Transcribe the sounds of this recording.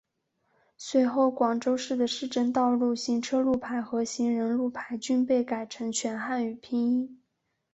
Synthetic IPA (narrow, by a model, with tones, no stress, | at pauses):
swe˧˥ɪxo˥˩ʊkwɑ˨˩ŋʈ͡ʂo˥ʊʂɻ̩˥˩d̪ə˩ʂɻ̩˥˧ʈ͡ʂə˥˧nt̪ɑ˥˧ʊlu˥˩ɕi˧˥ŋʈ͡ʂʰɤ˥lu˥˩pʰa˧˥ɪxɤ˧˥ɕi˧˥ŋɻə˧˥nlu˥˩pʰa˧˥ɪt͡ɕy˥npe˥˩ɪka˨˩ɪʈ͡ʂʰɤ˧˥ŋt͡ɕʰɥɛ˧˥nxa˥˩ny˨˩pʰi˥ŋi˥˩